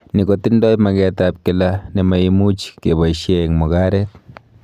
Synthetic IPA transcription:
nikot̪indojmaɡet̪ap̚kelanimajimut͡ʃkeβaiʃeŋmoɡaɾet̪̚

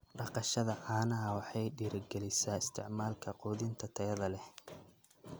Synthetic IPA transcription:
ɖɑqɑʃɐðɐʕɑːnɐɦɐwɑħɑjɖiːɾɐɡɛlɪsaːɪst̪ʰɪʕmaːlkʰɐqɔːðɪnt̪ʰɐt̪ʰɛjɐðɐlɛ

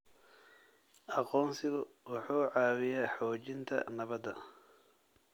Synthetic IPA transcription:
ʔɑqɔːnsɪɣʊ | wɑħuːʕɑːwɪjaːħɔːt͡ʃɪnt̪ʰɐ̰nɐβɐd̪ɐ

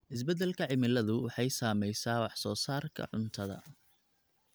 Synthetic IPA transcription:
ʔɪs̬bɛd̪ɛlkʰɐʕɪmɪlɐðʊwɑħɑjsaːmɛjsaːwɑħsɔːsaːrkʰɐ̰ʕʊ̰nt̪ʰɐðɐ̰

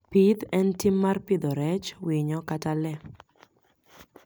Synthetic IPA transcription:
pid̪ɛntimːarpɪd̪ɔɾɛt͡ʃwiɲɔkatalɛ

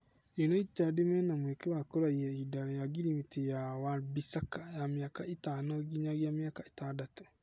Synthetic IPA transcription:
enoitadimɛnamwekewakoɾaiɛidaɾajaɡiɾimitejawaɾbisakajamjakaetaːnoɡiɲaɣjamjakae̥tadato

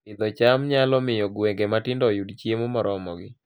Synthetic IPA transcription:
ɪd̪ɔt͡ʃamɲalɔmɪjɔɡweŋɡematɪndɔjudt͡ʃjemomɔɾɔmɔɡɪ

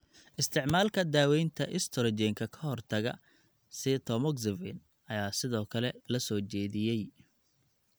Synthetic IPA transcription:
ʔɪst̪ʰɪʕmaːlkʰɐd̪aːwɛjnt̪ʰɐʔɪst̪ʰɔɾd͡ʒɛːŋkʰɐkʰɐɦɔrt̪ʰɐɣɐ̰ | sɪt̪ʰɔmɔɡsɪvɪ̰n | ɐjaːsɪðɔːkʰɐlɛlɐsɔːt͡ʃɛːðɪjɛj

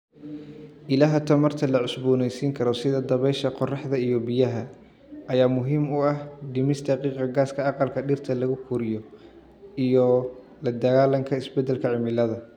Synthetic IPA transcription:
ʔɪlaːɦɐt̪ʰɐmɐrt̪ʰɐlɐʕʊsbuːnɛjsiːŋkʰɐɾɔsɪðɐd̪ɐβɛjʃɐqɔrɑħd̪ɐijɔbɪjɐɦɐ | ʔɐjaːmʊɦiːmʊɐhd̪ɪmɪst̪ʰɐqiːqɑɡaːskʰɐɑqɑlkʰɐɖɪrt̪ʰɐlɐɣʊkʰuːɾɪjɔ | ijɔ | lɐd̪ɐɣaːlɐŋkʰɐɪsbɛd̪ːɛlkʰɐʕɪmɪlɐðɐ

